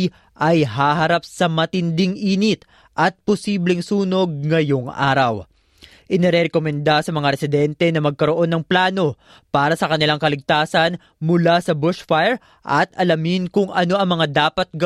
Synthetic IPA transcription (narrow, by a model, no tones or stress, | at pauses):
ʔɐjɦaɦɐɾapsɐmɐt̪ɪnd̪ɪŋʔiːnɪt̪ | ʔɐt̪̚posiːblɛŋsuːno̞ɡ̚ŋɐjo̞ŋʔa̰ːɾɐw | ʔɪnɛɾɛɾɛkomɛnd̪asɐmɐŋaɾɛsɪd̪ɛnt̪ɛnɐmɐɡ̚kɐɾo̞ʔo̞nːɐŋplaːno̞ | paːɾɐsɐkɐnɪlaŋkɐlɪɡ̚t̪aːsɐn | mʊlasɐbʊʃfajɛɹ | ʔɐt̪ɐlɐmɪnkʊŋɐno̞ʔɐŋmɐŋad̪aːpɐt̪̚ɡɐ